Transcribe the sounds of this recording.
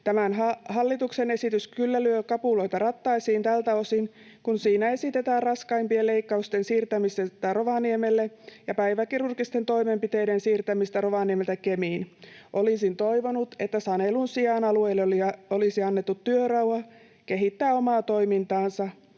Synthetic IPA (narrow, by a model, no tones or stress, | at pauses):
t̪æmænɦɑhɑlːit̪uksene̞sit̪yskylːælyøkɑpulo̞it̪ɑrɑt̪ːɑisiːnt̪ælt̪æo̞sin | kunsiːnæe̞sit̪et̪æːrrɑskɑimpieleikːɑust̪ensiːrt̪æmiset̪æro̞ʋɑniemelːejɑpæjʋækirurkist̪ent̪o̞imempit̪e̞jdensiːrt̪æmist̪æroʋɑniemelt̪ækemiːnʔo̞lisint̪o̞iʋonut̪et̪ːæsɑnelunsiɑːnɑlueilːliolisiɑnːet̪ːut̪ːyørɑwɑ | keɦit̪ːæːomɑːt̪o̞imint̪ɑːnsɑ